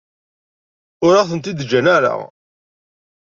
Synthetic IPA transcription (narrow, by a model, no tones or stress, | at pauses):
ʊɾaθənt̪id̪d͡ʒːænæɾa̰